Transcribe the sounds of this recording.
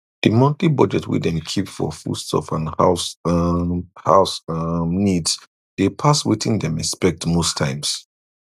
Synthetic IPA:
d̥ɨmɔ̃ntibʌd͡ʒɛtʰwḭdɛ̃mkʰipfɔ̰fṵstsɔ̰fãnaʊs | ha̰ʊsnids | d̥epʰaswiθĩndɛ̃mɛspɛk̚tmostʰãɪ̃ms

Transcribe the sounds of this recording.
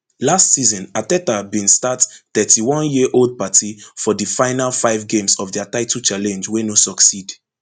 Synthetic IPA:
lastsizɔ̃natɛtabĩnstatθɛtʰiwɔ̃njiʔold̚patifɔdifãɪnalfaɪvɡẽmsɔvdiataɪtut͡ʃalɛ̃nd͡ʒwenosɔksid

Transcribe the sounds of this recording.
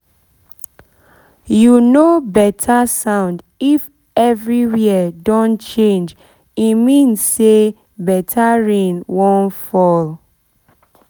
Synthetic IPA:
junobɛtʰasãʊ̃nd | if | ɛvɹiwiədɔ̃nt͡ʃẽnd͡ʒ | imĩnse | bɛtʰaɹẽnwõnfɔl

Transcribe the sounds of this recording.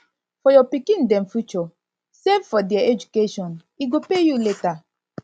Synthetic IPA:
fɔjɔpikĩn̩dɛm̩fut͡ʃɔ | sevfɔdɛaed͡ʒukeʃɔ̃n | iɡopejuleta

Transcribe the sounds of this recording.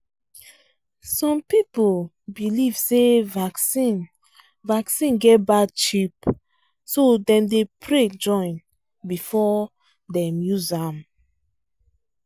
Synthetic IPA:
sɔ̃mpipol | biliv̥sevaksĩn | vaksĩnɡɛt̚bad̚t͡ʃip | sodɛ̃mdepʰɹed͡ʒɔ̃ɪ̃n | bifɔ | dɛ̃mjuzam

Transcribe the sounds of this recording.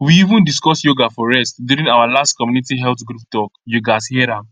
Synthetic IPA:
wiivə̃ndiskɔsjoɡafɔɹɛstduɹĩŋnawalastkɔmjunitiɦɛlθɡɾup̚tɔkjoɡashiɛɾãm

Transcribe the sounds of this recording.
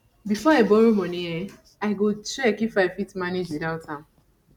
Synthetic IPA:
bifɔabɔɾomɔnie | aɪɡot͡ʃɛkifaɪfitmaned͡ʒidaʊtʰã

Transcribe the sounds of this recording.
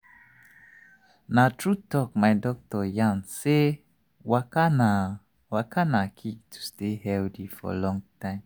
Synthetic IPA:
natʰɹutɔk̚maɪdɔk̚tɔjãnse | wakana | wakʰanakʰik̚tʰu̥stehɛldifɔ̰lɔ̃ŋtãɪ̃m

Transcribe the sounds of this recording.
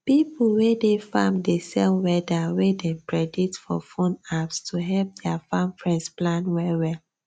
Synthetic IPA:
pipʰulwedefã̰mdesɛlwɛdawedɛ̃mpɹɛditfɔ̰fõnapstʰuɦɛlp̚dɛafãmfɹɛ̃nsplãnwɛwɛl

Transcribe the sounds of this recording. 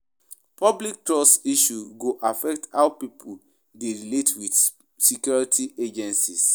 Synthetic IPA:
pɔblik̚tɹɔstiʃuɡoʔafɛktaʊpipʰul | deɹiletwid | sekjɔɹitʰiʔed͡ʒɛ̃nsis

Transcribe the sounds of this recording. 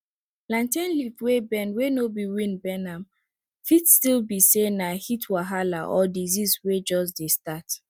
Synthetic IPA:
lãntẽnlifwebɛnwenobiwĩnbɛnãm | fitstilbisenahitwaɦalaʔɔdiziswed͡ʒɔs̬destat

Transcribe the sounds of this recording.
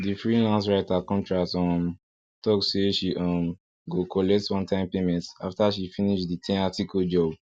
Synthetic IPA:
difɹilãns̬ɹaɪtakɔ̃ntɹaktɔm | tɔkseʃiʔɔm | ɡokʰɔlɛk̚twãntʰãɪ̃mpemɛ̃ntaftaʃifĩniʃditʰɛ̃natikʰɔd͡ʒɔb

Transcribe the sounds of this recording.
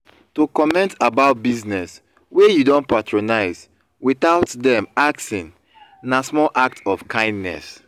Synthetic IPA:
tukɔmɛ̃ntabaʊt̚biznɛs | wejudõntpatʰɹonaɪz | wiθaʊtdɛ̃maksĩn | nasmɔlʔak̚tʰɔfkʰãɪ̃ndnɛ̰s

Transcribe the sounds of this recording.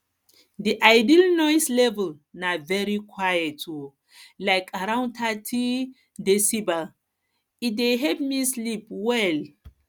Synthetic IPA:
diʔajdilnɔjslɛvɛl | navɛɹikʰwajɛtu | lajkʰaɾãw̃ntʰatʰi | desiba | ideɦɛpmislipwɛl

